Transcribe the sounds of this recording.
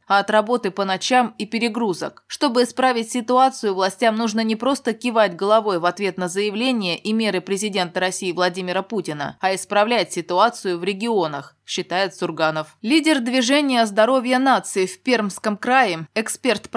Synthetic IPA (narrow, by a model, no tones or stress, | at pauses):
ɐɐt̪ɾɐbo̞t̪ɨpənɐt͡ɕamipʲɪɾʲɪɡɾuzə̰kʂt̪o̞bɨɪspɾavʲɪtʲsʲɪt̪ʊat̪sɨjʊvlˠɐsʲtʲamnuʐnənʲɪpɾo̞st̪əkʲɪvatʲɡəlˠɐvo̞jvɐt̪vʲe̞t̪nəzəjɪvlʲenʲɪjəʔimʲe̞ɾɨpɾʲɪzʲɪdʲe̞nt̪əɾɐsʲijɪvlˠɐdʲimʲɪɾəputʲɪnə̰ɐɪspɾɐvlʲætʲsʲɪt̪ʊat̪sɨjʊvɾʲɪɡʲɪo̞nəx | ɕːɪt̪ajɪt̪sʊrɡanəflʲidʲɪrd̪vʲɪʐɛnʲɪjəzd̪ɐɾo̞vʲjənat̪sɨɪfʲpʲermskəmkɾajɪɛkspʲe̞rt̪p